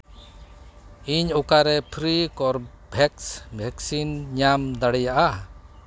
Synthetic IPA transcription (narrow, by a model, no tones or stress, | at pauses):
iɲɔkaɾɛpʰɾikɔɾbʱɛksbʱɛksinɲamd̪aɽɛjaʔa